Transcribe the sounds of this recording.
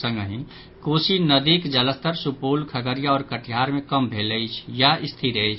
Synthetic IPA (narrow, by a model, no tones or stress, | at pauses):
sə̃ŋɡɦĩ | koːsinəd̪iːkd͡ʒələst̪əɾsupuːlkʰəɡəɾijaɔːɾkəʈʰjaːɾmẽkəmbʱeːləit͡ʃʰjaʔɪst̪ʰiɾeit͡ʃʰ